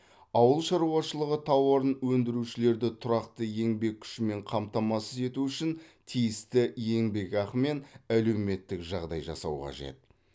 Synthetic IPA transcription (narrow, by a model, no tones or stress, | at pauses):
ɑwəlˠʃɑɾuɑʃəlˠəʁət̪ʰɑwoɾənwɵnd̪ɪɾuʃɪle̞ɾd̪ɪt̪ʰʊɾɑqt̪əje̞ŋbe̞k̚ʲʰʏ̥ʃɪme̞ɴqʰɑmt̪ɑmɑsəze̞t̪uʏʃɪnt̪ʰijɪst̪ɪje̞ŋbe̞kɑqəme̞næle̞wme̞t̪ːɪkʒɑʁd̪ɑjʒɑ̰sɑ̰wqɑ̰ʒe̞̰t̪̚